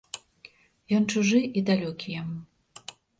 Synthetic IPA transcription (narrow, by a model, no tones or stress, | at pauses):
jɔnt͡ʂuʐɨʔid̪alʲɔkʲijɛm